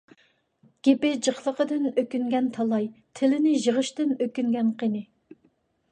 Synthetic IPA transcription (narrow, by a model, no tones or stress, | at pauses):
ɡ̥ʲepɪd͡ʒəχlˠəqəd̪ɪnøkʲyŋɡʲɛnt̪ʰɑlˠɑjt̪ʰɪlɪnɪʒəʁəʃt̪ɪnøkʲyŋɡʲɛnqʰenɪ